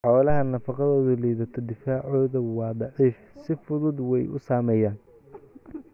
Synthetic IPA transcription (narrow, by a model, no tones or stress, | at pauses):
ħɔːlɐɦɐnɐfɑqɑðɔːðʊlijðɐt̪ʰɔd̪ɪfaːʕɔːðɐwɑːd̪ɑʕiːf | sɪfʊðʊd̪wɛjʔʊ̰saːmɛːjaːn